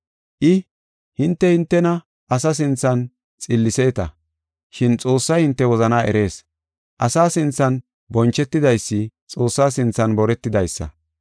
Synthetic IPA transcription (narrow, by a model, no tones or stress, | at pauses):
ʔɪ | hɪnt̪ːɛhɪnt̪ːɛnɐ | ʔɐsɐs̬ɪnt͡sːɐn | t͡sʼɪlːɪse̞ːt̪ɐ | ʃɪnt͡sʼo̞ːsːɐjhɪnt̪ːɛwɔzɐnaːʔɛ̰ɾe̞ːs | ʔɐsaːsɪnt͡sːɐn | bɔnt͡ʃːɛt̪ːɪd̪ɐjsːɪt͡sʼo̞ːsːaːsɪnt͡sːɐnbɔɾɛt̪ːɪd̪ɐjsːɐ̰